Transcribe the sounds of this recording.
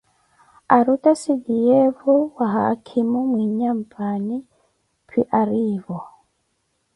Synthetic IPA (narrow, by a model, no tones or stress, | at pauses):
aɾutasiɡijeβɔwaɦa̰kʰimumwiːɲampani | pʰiʔaɾivɔ